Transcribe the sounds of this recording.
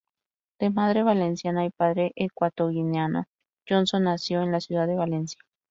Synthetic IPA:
d̪̥emaðɾeβalensjanaipaðɾeʔekwat̪oɣineano̰ | d͡ʒonsonːasjoenlasjuðaðːeβalensjḁ

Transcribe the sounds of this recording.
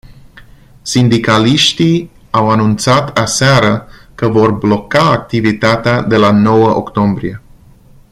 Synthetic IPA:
sind̪ikaliʃt̪i | awanunt̪sat̪asaɾəkəvo̞rblo̞kaːk̚t̪ivit̪at̪ead̪e̞lanowəʔo̰kt̪o̞mbɾie̞

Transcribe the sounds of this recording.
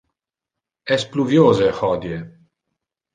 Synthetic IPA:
ɛspluvjoːzehɔd̪je

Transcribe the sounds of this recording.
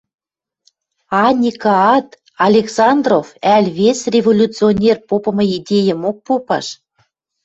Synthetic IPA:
ɑnʲikɑɑt̪ | ɑlʲeksɑnd̪rofælʲβesrʲevolʲut͡sɨonʲerpopɤ̆mɤ̆id̪ʲejə̆mok̚popɑ̰ʃ

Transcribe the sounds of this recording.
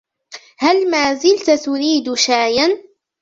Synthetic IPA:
halmaːzɪlt̪at̪ʊɾiːd̪ʃaːjan

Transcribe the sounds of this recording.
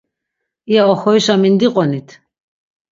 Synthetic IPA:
iaɔxɔjʃamind̪iqʼɔnit̪ʰ

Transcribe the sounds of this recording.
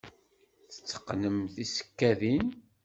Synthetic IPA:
θə̥t͡sːə̥qːnəmθisə̥kːæðin

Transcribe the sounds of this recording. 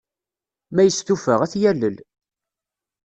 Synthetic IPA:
mæjəst̪ufəʁæθjælːəl

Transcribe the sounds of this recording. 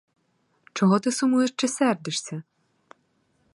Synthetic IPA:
t͡ʃɔɦɔt̪ɪsʊmujɛʃt͡ʃɪsɛrd̪ɪʃsʲɐ

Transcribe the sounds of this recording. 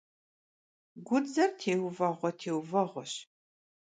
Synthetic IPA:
ɡʷʊd͡zɐrtʰeːwvɐʁʷɔtʰeːwvɐʁʷɔɕ

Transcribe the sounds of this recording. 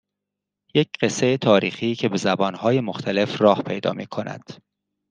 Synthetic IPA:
je̞cɢ̥e̞se̞jet̪ʰɒːɾiːxiːcʰe̞be̞zæbɒːnhɒːje̞moxt̪ʰæle̞frɒːhpʰe̞jd̪ɒ̰ːmiːkʰo̞næ̰d̪̥

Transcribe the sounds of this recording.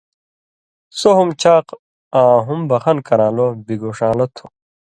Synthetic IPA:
soɦumt͡ɕʰaːq | ãːɦumbɐxɐnkɐɾãːlobiɡoːʂaːlɐt̪ʰu

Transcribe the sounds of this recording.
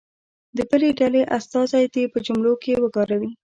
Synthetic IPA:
d̪əbəleɖaleʔast̪ɑzajd̪epəd͡ʒumlokewəɡɑɾawi

